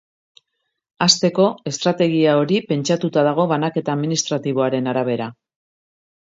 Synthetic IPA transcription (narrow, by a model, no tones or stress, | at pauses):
ast̪e̞ko̞e̞st̪ɾat̪e̞ɣ̞iao̞ɾipe̞nt͡ʃat̪ut̪aðaɣ̞o̞βanake̞t̪aːðminist̪ɾat̪iβo̞aɾe̞naɾaβ̞e̞ɾa